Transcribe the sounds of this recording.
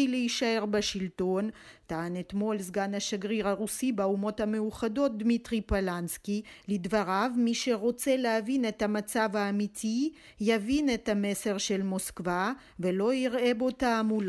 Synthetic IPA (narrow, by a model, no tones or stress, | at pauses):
ileiʃae̞ʁbaʃilto̞n | taːnet̪mo̞lzɡanaʃaɡʁiʁaʁusibeumo̞thamejuχado̞t̪̚d̪mitʁipalanskilidvaʁavmiʃe̞ʁo̞t͡se̞leavine̞tamat͡savaːmitʰi | javinethame̞se̞ʁʃe̞lmo̞skva | velo̞iʁebo̞taːmul